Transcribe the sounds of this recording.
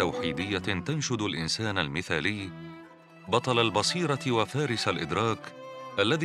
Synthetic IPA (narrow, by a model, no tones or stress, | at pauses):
awħiːd̪ɪjːat̪anʃʊd̪alʔɪnsaːnalmɪθaːlɪjː | bɑt̪ˤɑlalbɑsˤiːɾˤɑwafaːɾɪsalʔɪd̪ɾˤɑːkʔalːaði